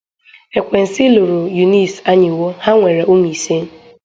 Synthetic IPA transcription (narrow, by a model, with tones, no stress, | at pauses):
e˨kʷe˨n̩˨sɪ˦lu˨ɾu˨ju˨ni˦sa˦ɲɪ˨wo˦ha˦ŋʷe˨ɾa˨ʔu˦m˨i˨se˦n̩˦